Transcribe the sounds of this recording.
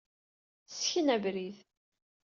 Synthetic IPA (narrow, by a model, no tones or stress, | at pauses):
sçənævɾið